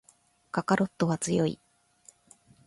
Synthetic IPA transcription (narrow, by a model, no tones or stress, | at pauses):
kakaɾo̞t̪ːo̞βat͡sɨjo̞ḭ